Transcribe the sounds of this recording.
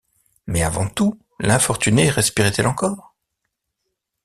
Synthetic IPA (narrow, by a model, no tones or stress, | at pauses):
mɛavɑ̃t̪u | lɛ̃fɔʁt̪yneʁɛspiʁɛt̪ɛlɑ̃kɔːʁ